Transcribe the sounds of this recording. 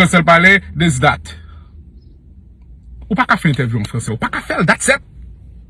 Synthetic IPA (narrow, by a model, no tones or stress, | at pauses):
ɑ̃sɛlpaled̪es̬d̪at̪ | upakafɛnɛ̃t̪ɛʁvjuɑ̃fʁɑ̃sɛupakafɛld̪atsɛt̪̚